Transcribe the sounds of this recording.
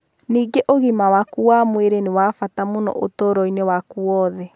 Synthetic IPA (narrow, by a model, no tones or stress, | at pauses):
niːɡeʔoɣimawakuwamweɾeniwafatamonɔ̰ʔotoːɾɔinewakuwɔːðɛ